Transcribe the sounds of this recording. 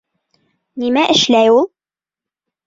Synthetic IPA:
nimæʔɘ̆ʃlæjulˠ

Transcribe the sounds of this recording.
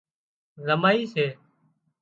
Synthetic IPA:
zəmaːiːseː

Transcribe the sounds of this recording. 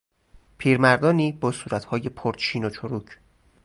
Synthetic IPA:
pʰiːɾmæɾd̪ɒːniːbɒːsuːɾæt̪hɒːje̞pʰoɾt̪t͡ʃʰiːnot͡ʃʰoɾuːcʰ

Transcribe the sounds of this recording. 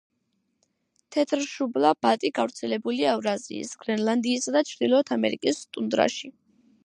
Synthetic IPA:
t̪ʰɛt̪ʰɾʃublˠabat̪ʼiɡavɾt̪sʰɛlɛbuliavɾazḭḭsɡ̥ɾɛnlˠand̪iːsad̪at͡ʃʰɾd̪ilˠɔt̪ʰamɛɾikʼist̪ʼund̪ɾa̰ʃi

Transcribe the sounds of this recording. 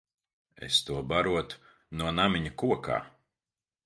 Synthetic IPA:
ḛst̪uɔbaɾuɔt̪ | nuɔnamʲiɲɐkuɔkʰa̰ː

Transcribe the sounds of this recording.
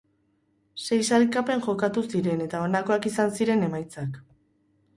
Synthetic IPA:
se̞jsalkape̞ŋʝo̞kat̪usiɾe̞ne̞t̪ao̞nako̞akisansiɾe̞ne̞majt͡sak

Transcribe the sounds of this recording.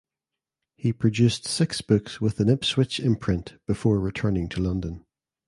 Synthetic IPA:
hipʰɹ̥əd͡ʒʉˑstsɪksb̥ʊkswɪðə̃nɪpswɪt͡ʃɪ̃mpʰɹ̥ɪ̃nʔb̥ɪfɔːɹɹɪtʰɜ˞nɪ̃ŋtʰəlʌ̃ndə̃n

